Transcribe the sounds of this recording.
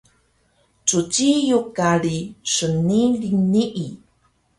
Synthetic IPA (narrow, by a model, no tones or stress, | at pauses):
t͡sut͡ɕijukaɭiʂəniliniʔi